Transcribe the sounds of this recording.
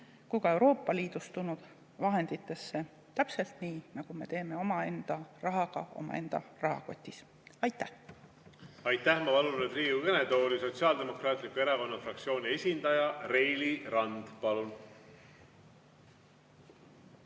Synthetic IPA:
kujɡ̥ɑe̞wɾo̞ːpˑːɑliːd̪ust̪unud̪̥ | vɑɦe̞nd̪̥it̪ːˑe̞sːe̞ | t̪æpse̞lt̪niːnɑɡ̥ume̞t̪e̞ːme̞o̞mɑe̞nd̪̥ɑrɑɦɑɡ̥ɑ̰o̞̰mɑ̰e̞nd̪̥ɑ̰rɑɦɑ̰ko̞t̪ʲːˑis | ɑjt̪ːˑæh | ɑjt̪ːˑæhmɑpɑlunred̪riːɡuɡened̪oːliso̞t̪siɑld̪e̞mo̞kɾɑːt̪ˑlikue̞ɾɑko̞nːɑfrɑkt̪sio̞ːnʲie̞sʲind̪̥ɑjɑre̞jliɾɑnd̪̥pɑlun

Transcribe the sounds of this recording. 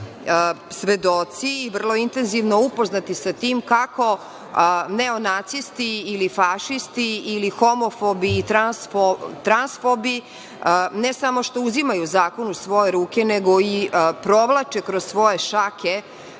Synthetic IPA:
sʋe̞d̪ot̪siːʋr̩lˠo̞int̪enziʋnoupo̞znat̪isat̪iːmkako̞ | neonat̪sist̪iːlifaʃist̪iːlixomofobiːt̪ɾansfot̪ɾansfobi | nesamo̞ʃt̪ouzimajuzaːko̞nusʋo̞jeɾuːkeneɡo̞ipɾo̞ʋlˠat͡ʃekɾozsʋo̞je̞ʃake

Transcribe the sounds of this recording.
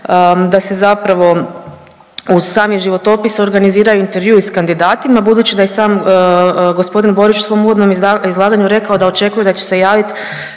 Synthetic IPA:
d̪ase̞zapɾaʋo̞ | uzsaːmiʒiʋo̞t̪o̞piso̞ɾɡaniziːɾajuint̪e̞ɾʋjuiskand̪id̪aːt̪imabud̪uːt͡ɕid̪ajesaːm | ɡo̞spo̞d̪inbo̞ɾit͡ʃusʋo̞muʋod̪no̞mizlˠaːɡaɲuɾe̞kao̞d̪ao̞t͡ʃe̞kujud̪at͡ɕe̥se̞jaːʋit̪

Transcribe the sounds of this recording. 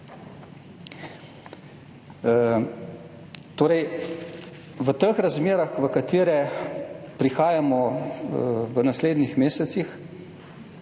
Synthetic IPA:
t̪oːɾɛj | ʋət̪əxɾazmeːɾaxʋəkat̪iːɾɛ | pɾixaːjamɔ | ʋənasleːd̪nixmeːsɛt̪six

